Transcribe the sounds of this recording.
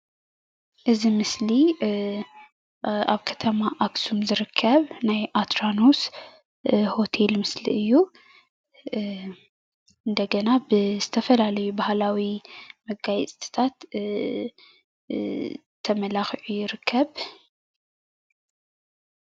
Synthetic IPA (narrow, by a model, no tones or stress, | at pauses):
ʔɨzimɨsli | aβkʰɐt̪ʰɐmaʔaksumzɨɾɨkʰːɐβnajʔat̪ɾanos | ho̞t̪ʰe̞lmɨsliɨjːu | ʔɨnd̪ɐɡɐnabɨzɨt̪ʰɐfɐlalɐjubahlawimɐɡajɛt͡sʼt̪ʰɨ̥t̪ʰat̪ | t̪ʰːɐmɐlaxʕujɪɾɨkʰːɐβ